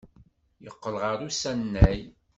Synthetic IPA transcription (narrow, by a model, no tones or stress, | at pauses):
jəqːəlʁɑɾˤusænːæj